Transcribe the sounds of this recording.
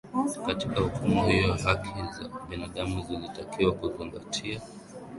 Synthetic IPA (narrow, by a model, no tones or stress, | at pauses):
katikahukumuhijɔjaɦakʰiza̰ɓinaɗamuzilitakiwakuziŋɡatʰia